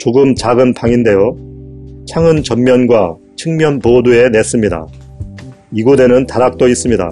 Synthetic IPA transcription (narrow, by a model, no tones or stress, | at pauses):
t͡ɕoɡɯmt͡ɕaɡɯnpaŋinde̞jo | t͡ɕʰaŋɯnt͡ɕʌnmjʌnɡwa | t͡ɕʰɯŋmjʌnpodue̞ne̞s͈ɯmɲida̰ | iɡode̞nɯntaɾak̚t͈ois͈ɯmɲida̰